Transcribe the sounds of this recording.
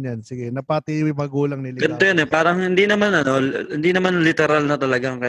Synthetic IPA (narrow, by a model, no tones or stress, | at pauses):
jansɪɡɛnɐpɐt̪iwɪmɐɡuːlɐŋnɪlɡɐnɪt̪ojonɛpaːɾɐŋhɪnd̪inɐmanɐno̞lhɪnd̪inɐmanlɪt̪ɛɾalnɐt̪ɐlɐɡaŋkɐ